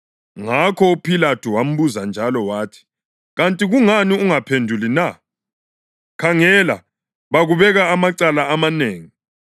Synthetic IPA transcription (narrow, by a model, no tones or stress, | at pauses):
ŋakʰɔupʰilatʰuwam̩βuzand͡ʒʱalɔwaːtʰi̥ | ɣantʼiɣuŋaniuŋapʰendʱulina | kʰaŋɛla̰ | βaɣuβɛɣaːmaǀalaːmaneːŋi